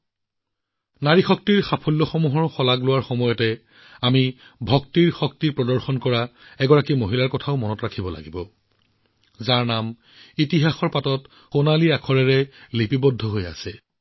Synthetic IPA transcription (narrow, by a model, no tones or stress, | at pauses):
naɹixɔk̚tiɹxapʰɔlːɔxɔmuɦɔɹxɔlaɡlʊwaɹxɔmɔjɔtɛ | ami | bʱɔktiɹxɔk̚tiɹpɹɔdɔɹxɔnkɔɹaɛɡɔɹakimoɦilaɹkɔtʰaʊmɔnɔtɹakʰibɔla̰ɡibɔ | zaɹnam | itiɦaxɔɹpatɔt | xonaliakʰɔɹɛɹɛlipibɔdʱːɔɦoja̰sɛ